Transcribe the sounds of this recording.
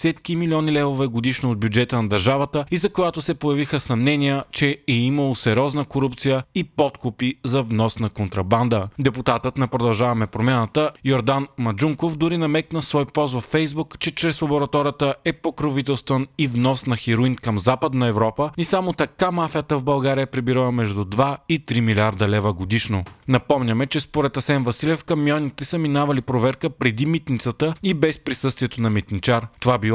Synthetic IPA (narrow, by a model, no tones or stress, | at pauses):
sɛt̪kimiliɔnilɛvovɛɡod̪iʃnood̪̚bʲjud͡ʒɛt̪ənɐd̪ɐɾʒavɐt̪əizɐkojat̪ʊsɛpojɐvixəsɐmnɛniət͡ʃɛɛiməlˠosɛɾʲɔznəkoɾupt̪sijəipɔt̪kʊpizɐvnɔsnɐkont̪ɾɐband̪əd̪ɛput̪at̪ət̪nɐpɾod̪ɐlˠʒavɐmɛpɾomʲjanət̪əjoɾd̪anmɐd͡ʒuŋkofd̪ʊɾinɐmɛknəsvɔjpɔsvɐfːɛjzbukt͡ʃɛt͡ʃɾɛsobɛɾɐt̪ɔɾət̪əʔɛpokɾovit̪ɛlˠst̪vənivnɔsnɐxiɾuinkɐmzapəd̪nɐɛvɾɔpəisamot̪ɐkamafijət̪əvbɐlˠɡaɾijəpɾɛbiɾəlˠɐmɛʒd̪ud̪vait̪ɾimilʲiaɾd̪ɐlɛvəɡod̪iʃnonɐpɔmnʲɐmɛt͡ʃɛspoɾɛt̪ɐsɛnvɐsilʲɛfkɐmjɔnit̪ɛsəminavɐlipɾovɛɾkəpɾɛd̪imit̪nit̪sət̪əibɛspɾisɤst̪viɛt̪onɐmit̪nit͡ʃaɾt̪ovabilˠ